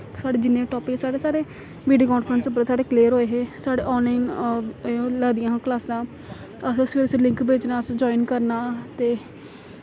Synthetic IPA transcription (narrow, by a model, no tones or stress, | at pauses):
saːɽeːd͡ʒɪnːẽːʈɔːpɪksaːɽeːsaːɾeː | ʋiːɖioːkɔːnfʰɾənsəp̬əɾsaːɽeːkleːəɾɦoːeːɦeːsaːɽḛːʔɔːnlaːin | lɛːd̪ijãːklaːsãː | əsəsʋeːɾslɪ̃ŋkbeːt͡ʃnãːəsd͡ʒɔːinkəɾnaːt̪eː